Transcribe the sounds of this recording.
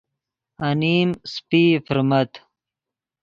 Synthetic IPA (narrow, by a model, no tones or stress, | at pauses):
aniːmspiːfiɾmɐt̪